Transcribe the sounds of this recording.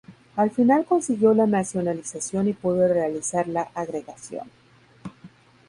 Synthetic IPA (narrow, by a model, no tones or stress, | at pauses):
alfinalko̞nsiɣjo̞lanasjo̞nalisasjo̞nipweðere̞alisaɾlaʔaɣɾe̞ɣasjo̰n